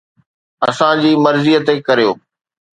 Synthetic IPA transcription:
ɐ̰sãd͡ʑiːmɐɾzijət̪ekɐɾijoː

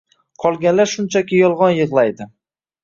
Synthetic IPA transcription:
qʰɒlˠɡʲanlaɾʃʊnt͡ʃʰakʲɪjɒlˠʁɒnjɨʁlˠajd̪ɪ

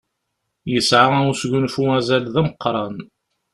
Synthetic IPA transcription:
jəsʕaæusʝunfumæzælðæməqːɾˤɑn

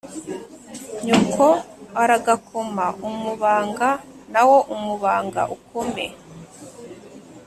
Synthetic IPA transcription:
ɲukʰoaɾaɡakʰomaumuβaːŋɡanawo̞ʔumuβaːŋɡa̰ʔukomḛ

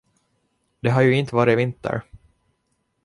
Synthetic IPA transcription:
d̪ɛɦaɾjɵɪnt̪əvɑːɾɪvɪnt̪ə̰ɾ

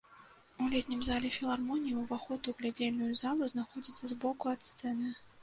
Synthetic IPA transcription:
ulʲeɛt̪ʲnʲimzalʲɛfʲilˠarmɔnʲijiwvaxɔt̪uɣlʲad͡zʲelʲnʊjʊzalˠuznaxɔd͡zʲit̪sːɐzbɔkuɐt̪st̪sɛnɨ

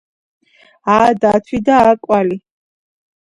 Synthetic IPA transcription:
aːd̪at̪ʰwid̪aːkʼwali

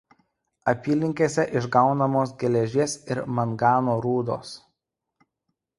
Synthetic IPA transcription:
ɐpʲiːlʲɪŋʲkʲeːsʲɛʔɪʒɡɑˑʊnɐmoːs̬ɡʲɛlʲɛʒʲiɛsɪɾmɐnɡɑːnoːɾuːd̪o̰ːs

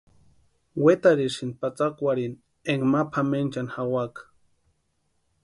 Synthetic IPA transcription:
wet̪aɾiʃinpat͡sakʷaɾin | eŋɡmapʰament͡ʃanxawak

